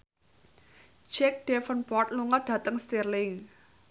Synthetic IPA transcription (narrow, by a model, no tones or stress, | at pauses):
d͡ʒɛk̚ɖ̥ɛfənpɔt̪̚luŋəɖ̥ä̤t̪əŋst̪irlɪŋ